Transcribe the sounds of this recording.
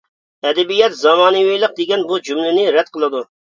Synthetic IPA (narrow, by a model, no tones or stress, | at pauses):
ɛd̪ɛbijɛt̪zɑmɑːnɨwijlˠəq̚d̪ɪɡʲɛnbud͡ʒumlɪnɪɾɛd̪̥̚qʰəlˠɨd̪u